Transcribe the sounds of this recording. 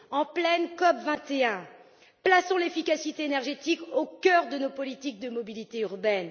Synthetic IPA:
ɑ̃plɛnkɔpvɛ̃t̪eɛ̃ | plasɔ̃lefikʲasit̪eːnɛʁʒet̪ikokʲœʁd̪ənopɔlit̪ik̚d̪əmɔbilit̪eyʁbɛn

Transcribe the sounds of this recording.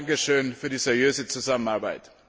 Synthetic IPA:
ŋkəʃøːnfyːɐdisɛʁjøːzət͡suzamənaɐbaɪt

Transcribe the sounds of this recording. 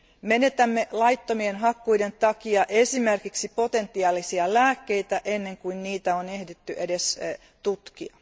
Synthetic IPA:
me̞ne̞t̪æmːe̞lɑjt̪ːo̞mienɦɑkːujde̞nt̪ɑkiɑʔe̞sime̞rkiksipo̞t̪e̞nt̪ːiɑːlisiɑlæːkːe̞jt̪æʔe̞nːe̞ŋkuinniːt̪æone̞hdet̪ːyʔedes | t̪ut̪kiɑ̰

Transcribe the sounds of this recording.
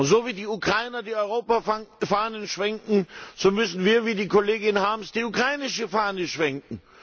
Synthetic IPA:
ʊntz̥oːviːdiːukʁ̥aɪnɐdiːɔʏʁoːpafaːnənʃv̥ɛŋkŋ̩z̥oːmʏsn̩viːɐviːdiːkʰoleːɡɪnhaːmsd̥iːukʁ̥aɪnɪʃəfaːnəʃv̥ɛŋkŋ̩

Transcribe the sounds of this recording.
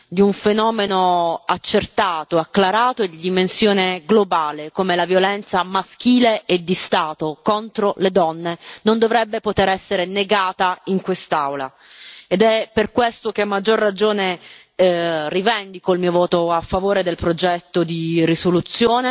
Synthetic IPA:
d̪iuɱfenɔːmenoat͡ʃːert̪aːt̪oakːlaɾaːt̪oed̪id̪imensjoːneɡlobaːlekoːmelavjolɛnt̪samask̟iːleed̪ːist̪aːt̪okont̪ɾoled̪ɔnːenond̪ovɾɛbːepot̪eɾɛsːeɾeneɡaːt̪aiŋkwest̪awla | ed̪ɛperkwest̪okeamːad͡ʒːorːad͡ʒoːne | rivɛnd̪ikoilmiːovɔːt̪oafːavoːɾed̪elpɾod͡ʒɛt̪ːod̪irisolut̪sːjoːne

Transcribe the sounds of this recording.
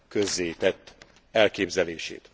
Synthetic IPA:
køzːeːjit̪ɛt̪ː | ɛlkeːbzɛleːʃḛːt̪

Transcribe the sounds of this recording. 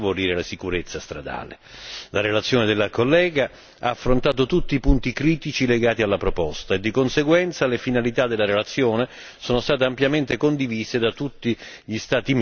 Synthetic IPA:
voɾiːɾelasikuɾet̪sːast̪ɾa̰d̪a̰ːlḛ | laɾelat̪sːjoːned̪elːakolːɛːɡa | aːfːɾont̪aːt̪̬ot̪ut̪ːiːpunt̪ikɾiːt̪it͡ʃileɡaːt̪ialːapɾopɔst̪aed̪ːikonseɡwɛnt̪salefinalit̪ad̪elːaɾelat̪sːjoːne | soːnost̪aːt̪eampjament̪ekond̪iviːsed̪at̪ut̪ːi | ʎist̪aːt̪i

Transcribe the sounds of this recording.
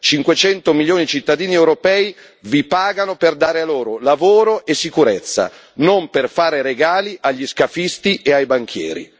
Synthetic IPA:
t͡ʃiŋkwet͡ʃɛnt̪omiljoːnid̪it͡ʃit̪ːad̪iːniɛwɾopɛːi | vipaːɡanoperd̪aːɾealoːɾolavoːɾoʔesːikuɾet̪sːa̰ | nomperfaːɾeɾeɡaːliʔaʎːiskafist̪iʔeajbaŋkʰjɛ̰ːɾḭ

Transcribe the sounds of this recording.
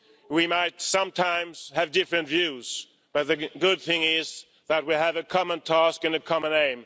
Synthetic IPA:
wimaɪtsʌ̃mtʰãɪ̃mz̥ɨvdɪfɹɨ̃ntv̥jʉz̥ | b̥ʌt̪̚ðɨɡʊd̪̚θɪ̃ŋɪz | ðət̚wiɨvɨkʰɑmə̃ntʰæskɨ̃nɨkʰɑmə̃nẽɪ̃m

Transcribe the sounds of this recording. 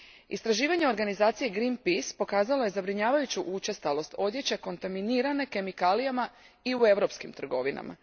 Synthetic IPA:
ḭst̪ɾaʒiːʋaɲe̞o̞ɾɡanizaːt̪sije̞ɡɾinpispo̞kaːzalo̞je̞zabɾiɲaːʋajut͡ɕuʔut͡ʃe̞st̪alo̞st̪o̞d̪je̞t͡ɕe̞ko̞nt̪aminiɾane̞ke̞mikaːlijama | iue̞ʋɾo̞pskimt̪r̩ɡo̞ʋina̰ma̰

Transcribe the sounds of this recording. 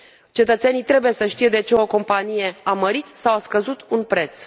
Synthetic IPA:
t͡ʃe̞t̪ət̪senijt̪ɾe̞buje̞səʃt̪ije̞d̪e̞t͡ʃe̞oko̞mpanije̞aməɾit̪sawaskəzut̪unpɾe̞t̪s

